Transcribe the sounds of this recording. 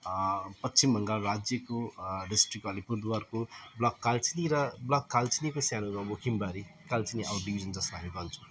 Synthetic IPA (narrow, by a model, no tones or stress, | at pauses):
pʌtːsimbʱʌŋɡalrad͡zjʌkoɖisʈrik̚ʌlipuɾd̪warkoblʌkkːalt͡siniɾʌblakkːalt͡sinikosjanomamokʰimbaɾikalt͡siniabʌɖibʱizʌnd͡zʌsamibʌnt͡sʰu̥